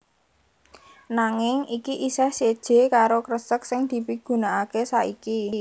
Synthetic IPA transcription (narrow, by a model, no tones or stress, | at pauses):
naŋɪŋikiʔisɛhsed̥ʒ̥e̤kaɾokɾəsək̚sɪŋd̪̥i̤piɡ̥ṳnaakesaiki